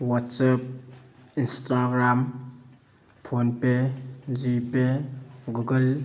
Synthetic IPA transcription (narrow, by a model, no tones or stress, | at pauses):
watsap̚instaɡɾam | pʰonped͡ʒipeɡuɡəl